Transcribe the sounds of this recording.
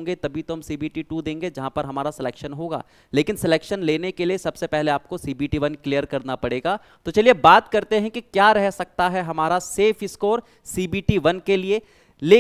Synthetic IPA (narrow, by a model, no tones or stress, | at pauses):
ŋɡet̪ɐbʱit̪oɦɐmsiːbiːʈiʈud̪ẽːŋɡed͡ʒɐɦãpɐɾɦɐmaːɾasɪleːkʃənɦoːɡa̰ː | leːkɪnsɪleːkʃənleːnekeliesɐbsepɛɦleaːp̚kosiːbiːʈiʋɐnklijəɾkɐɾnapɐɽeːɡaː | t̪ot͡ʃɐliebaːt̪kɐɾt̪eɦɛ̃kikjaːɾɛɦsɐk̚t̪aɦɛɦɐmaːɾaseːfɪskoːɾ | siːbiːʈiʋɐnkelie | leː